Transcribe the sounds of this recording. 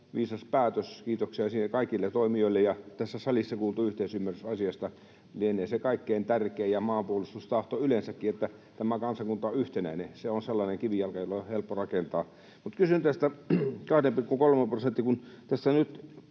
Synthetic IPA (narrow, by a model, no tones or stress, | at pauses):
ʋiːsɑspæːt̪øskiːt̪oksiɑsiːnːekɑikilːet̪oimioilːejɑt̪æsːæsɑlisːɑkuːlt̪uyht̪eisymːærysɑsiɑst̪ɑ | lieneːsekɑikːeːnt̪ærkeːjɑmɑːmpuolist̪ust̪ɑht̪oylensækːiet̪ːæ | t̪æmækɑnsɑŋkunt̪ɑoyht̪enæineseonselːɑneŋkiʋijɑlkɑjolːohelpːorɑkent̪ɑː | mut̪kysynt̪æst̪ækɑhdempikːukolmeprosent̪ːikunt̪æst̪ænyt̪